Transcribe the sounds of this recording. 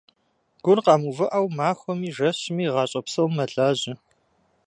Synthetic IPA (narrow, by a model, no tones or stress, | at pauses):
ɡ̥ʷʊnqɑːmuvɨʔɐwmaːxʷɔmiːʒɐɕɪmiːʁɑːɕʼɐpsɐwmɐɮaːʑɪ